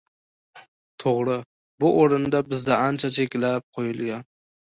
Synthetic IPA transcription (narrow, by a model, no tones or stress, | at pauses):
t̪ʰoʁɾɨ | bʊʔoɾɪnd̪abɪzd̪aʔant͡ʃʰat͡ʃʰe̞kʲlap̚qʰojʊlˠɡʲan